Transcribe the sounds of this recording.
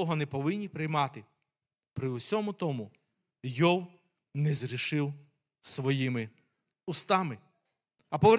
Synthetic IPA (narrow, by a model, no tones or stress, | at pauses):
ɔɦɔnɛpɔʋɪnʲːipɾɪjmɑt̪ɪ | pɾɪwsʲɔmʊt̪ɔmʊ | jɔw | nɛzɾʲiʃɪw | sʋɔjimɪ | ʊst̪ɑmɪ | ɐpɔʋe